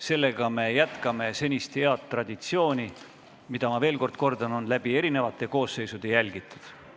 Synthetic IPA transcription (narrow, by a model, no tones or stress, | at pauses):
se̞lːe̞ɡ̥ɑme̞jæt̪kɑme̞se̞nʲist̪he̞ɑt̪ːˑrɑd̪̥ʲit̪sio̞ːnʲi | mid̪̥ɑmɑve̞ːlko̞rd̪̥̚ko̞rd̪ɑno̞nlæb̥ie̞ɾine̞vɑt̪ːˑe̞ko̞ːsːe̞jsud̪̥e̞jælɡ̥it̪ːˑud̪̥